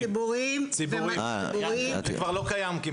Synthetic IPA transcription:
ibuʁimt͡sibuʁi | uikvaʁlokajamki

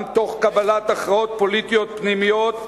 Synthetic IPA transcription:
mt̪o̞χkabalat̪aχʁao̞t̪̚po̞lit̪ijo̞t̪̚pnimijot̪

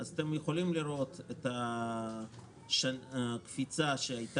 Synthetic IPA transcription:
azat̪emjeχo̞limliɾo̞t̪et̪a | ʃankfit͡saʃeajt̪

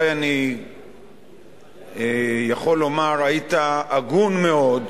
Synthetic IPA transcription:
jani | ejaχo̞lːo̞maʁait̪aːɡunme̞o̞d

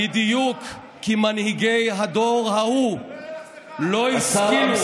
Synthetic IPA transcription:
id̪ijukː | imanhiɡejɦad̪o̞ʁhahu | lo̞iskim

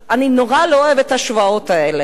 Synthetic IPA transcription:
anino̞ʁalooevet̪aʃvao̞t̪ae̞le

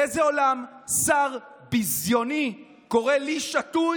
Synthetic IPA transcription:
ezeo̞lamsaʁ | bizjo̞ni | ko̞ʁeliʃatu

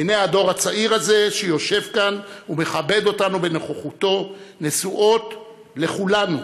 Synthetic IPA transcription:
ineado̞ʁhat͡saʔiʁaze̞ʃejo̞ʃe̞vkanume̞χabe̞d̪o̞tanube̞noχoχuto̞nesuʔo̞t | le̞χulanu

